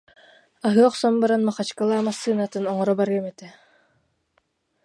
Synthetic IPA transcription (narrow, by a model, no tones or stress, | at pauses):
aɦɯɔχsɔmbaɾanmaχat͡ʃkalˠaːmasːɯːnat̪ɯnɔŋɔɾɔbaɾɡɛmɛt̪ɛ